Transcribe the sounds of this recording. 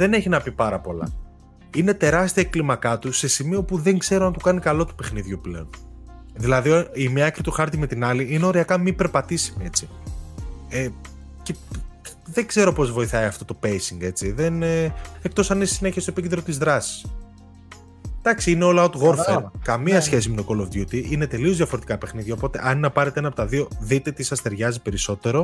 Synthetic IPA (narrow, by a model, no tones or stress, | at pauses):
ðe̞ne̞çinɐpipɐɾɐpo̞lɐ̰ | ine̞t̪e̞ɾɐst̪iɐeklimɐkɐt̪use̞simio̞puðe̞ŋɡze̞ɾoɐnt̪ukɐnikɐlo̞t̪u̥pexniðʝuple̞̰on | ðilɐðiimɲɐɐkɾit̪uxɐɾt̪ime̞t̪inɐliineo̞ɾiɐkɐmipe̞ɾpɐt̪isimie̞t͡si | e | ce | ðe̞ɡze̞ɾo̞po̞zvo̞iθɐiɐft̪o̞t̪o̞pe̞jsiŋɡe̞t͡siðenekt̪o̞sɐninssine̞çiest̪oepicend̪ɾo̞t̪izðɾɐsi̥s | d̪̥ɐksiineolɐot̪ɣo̞ɾfeɾkɐmiɐsçe̞s̬ime̞t̪okolovʝut̪iʔine̞t̪e̞lio̞zðjɐfo̞ɾe̞t̪ikɐpe̞xniðʝɐopo̞t̪e̞̰ʔɐninɐpɐɾet̪enɐpot̪ɐðio̞ðit̪e̞t̪isɐst̪e̞ɾʝɐzipe̞ɾiso̞t̪e̞ɾo̞